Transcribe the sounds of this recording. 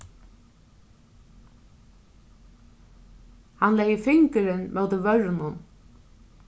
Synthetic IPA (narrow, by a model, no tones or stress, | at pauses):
hanlɛjəfɪŋkəɾɪnmɛwd̪ɪʋœɹnʊn